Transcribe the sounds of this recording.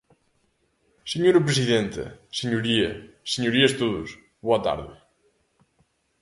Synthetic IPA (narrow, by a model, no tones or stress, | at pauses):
seɲoɾɐp̬ɾes̬iðent̪ɐ̰seɲuɾiɐseɲuɾiɐst̪oðʊ̰s | βoɐt̪a̰ɾðɪ̰